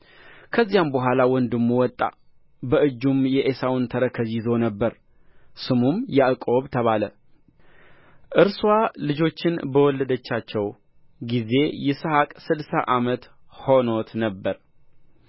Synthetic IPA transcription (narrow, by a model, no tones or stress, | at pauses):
kʰəzːijambəɦʷalawɔnd̪ɨmːuwɔt̪ʼːa̰ | bəʔɨd͡ʒːumjɛʔesawʊnt̪ʰəɾəkʰəzizo̞nəbːəɾ | sɨmumjaʔɨkʼo̞βt̪ʰəβalə | ʔɨɾswalɨd͡ʒo̞t͡ʃːɪnbəwɔlːəd̪ət͡ʃːat͡ʃːɛw | ɡize̞jɛsəhakʼsɨd̪sa̰ʔamət̪ | ho̞no̞t̪nəbːəɾ